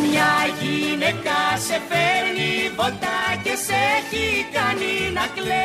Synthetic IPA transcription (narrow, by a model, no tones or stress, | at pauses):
mɲɐʝinekɐsefeɾnipot̪ɐceseçikaninɐkle